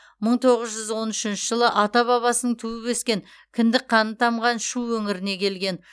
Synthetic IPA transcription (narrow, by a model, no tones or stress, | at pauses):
məɴt̪ʰo̞ʁəzʒʏzwo̞nʏʃɪnʃɪʒəlˠəʔɑt̪ɑβɑβɑsənəɴt̪ʰuwɪpeskʲe̞ŋ | kʲʰɪnd̪ɪk̚qʰːɑnət̪ʰɑmʁɑnʃuwːɵŋɪɾɪne̞kʲʰe̞lɡʲe̞n